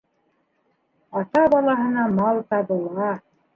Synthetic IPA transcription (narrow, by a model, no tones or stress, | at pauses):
ɑt̪ɑbɑlˠɑɦɤ̆nɑmɑlˠt̪ɑβɤ̆lˠʁɑ